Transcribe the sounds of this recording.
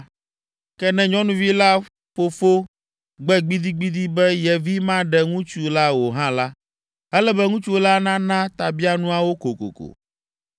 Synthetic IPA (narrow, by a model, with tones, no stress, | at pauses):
kɛ˦nɛ̃˨ɲɔ̃˦nũ˦vi˦la˦ | fo˦fo˦ | ɡ͡bɛ˦ɡ͡bi˦d̪i˦ɡ͡bi˦d̪i˦bɛ˦jɛ˨vi˦mã˦ɖɛ˨ŋũ˦t͡ʃu˦la˦wo˨ɦã˦la˦ | ɛ˦lɛ˦bɛ˦ŋũ˦t͡ʃu˦o˦la˦nã˦nã˦t̪a˨bi˦a˦nũ˦a˦wo˦ko˨ko̰˨ko̰˨